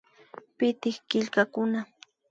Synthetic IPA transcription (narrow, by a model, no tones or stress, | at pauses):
pɪt̪ɪhkɪʎkakʊna